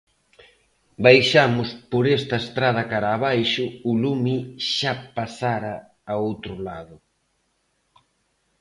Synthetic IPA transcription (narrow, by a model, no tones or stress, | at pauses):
bajʃamʊspoɾest̪ɐest̪ɾað̞ɐkaɾaːβajʃʊːlumiʃapasaɾaː | owt̪ɾʊlaðʊ